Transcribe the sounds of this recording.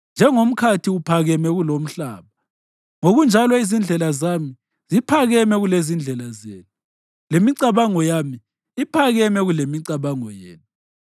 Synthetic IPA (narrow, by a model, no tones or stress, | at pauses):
nd͡ʒʱɛŋom̩kʰatʰiupʰaɣɛmɛɣulom̩ɬaːβa | ŋoɣund͡ʒʱalɔizind͡ɮʱɛlazami | zipʰaɣɛmɛɣulezind͡ɮʱɛlazeːnu | lemiǀaβaŋɔjami | ipʰaɣɛmɛɣulemiǀaβaŋɔjḛːnu